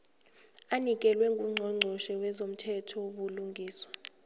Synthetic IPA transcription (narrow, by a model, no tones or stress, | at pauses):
anik̬ʼɛlwɛŋɡʱuŋ͡ǀʱɔŋ͡ǀʱɔʃɛwɛzom̩tʰɛtʰɔɓuluŋɡʱiːswa